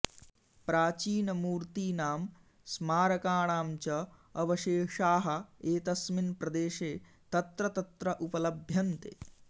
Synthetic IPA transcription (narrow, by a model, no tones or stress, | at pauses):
pɾaːt͡ʃiːnɐmuːɾt̪iːnaːm | smaːɾɐkaːɳaːmt͡ʃɐ | ɐʋɐʃeːʂaːɦɐ̆eːt̪ɐsminpɾɐd̪eːʃeː | t̪ɐt̪ɾɐt̪ɐt̪ɾɐʔupɐlɐbʱjɐnt̪ḛː